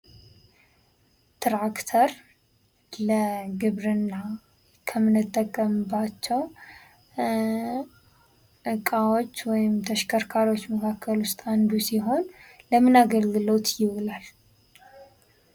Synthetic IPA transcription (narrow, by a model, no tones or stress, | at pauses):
t̪ʰɾakt̪ʰəɾ | ləɡɨβɾɨnːa | kʰəmɨnɨt̪ʼːəkʼːəmɨbat͡ʃːɛw | ɨkʼawo̞t͡ʃːwɔjɪmt̪ʰəʃkʰəɾkʰaɾwo̞t͡ʃːməkʰakʰːəlʊst̪ʼand̪usiɦo̞nləmɨnaɡəlɡɨlowt̪jɪwɨlal